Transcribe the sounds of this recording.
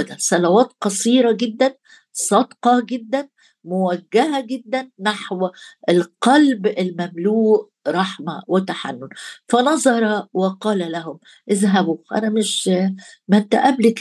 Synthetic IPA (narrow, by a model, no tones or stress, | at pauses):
d̪æsˤɑlæwæːt̪̚qɑsˤiːɾˤɑɡed̪ːæn | sˤɑd̪qɑɡed̪ːæn | mowæɡːæɦæɡed̪ːænːaħwʔelqɑlbelmæmluːʔ | ɾˤɑħmæwɪt̪aħa̰nːʊnfænɑzˤɑɾˤɑwɑqɑːlælæɦʊm | ʔɪðɦæbuʔæ̰næmɪʃ | mænt̪æ̰ʔæblek